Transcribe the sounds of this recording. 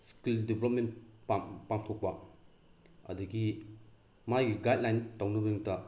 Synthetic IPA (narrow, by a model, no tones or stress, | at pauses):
skildiblop̚mentpapamtʰok̚pɐ | ɐ̰duɡi | majɡiɡajt̚lajntawnɐbɐnuŋtɐ